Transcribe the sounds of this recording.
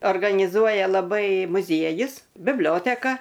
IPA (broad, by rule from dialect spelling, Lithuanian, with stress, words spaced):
oːrɡɐnʲɪˈzuɔjɛ lˠɐˈbɐɪ mʊˈzʲiɛjʊs bʲɪbʲˈlʲoːtʲɛkɐ